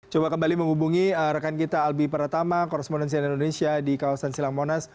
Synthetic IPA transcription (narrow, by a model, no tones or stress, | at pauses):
t͡ʃobakəmbaliməŋhubuŋiɾəkankit̪aːlbipəɾat̪amakoɾɛsponɛnsianindonesiadikawasansilaŋmonas